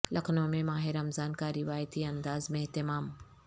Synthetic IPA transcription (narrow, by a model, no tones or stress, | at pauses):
lʔɐkʰnõmẽmaːɦɪɾɐmzaːnkaɾɪʋaːjt̪iɐ̃nd̪aːzmeɦt̪ɪmaːm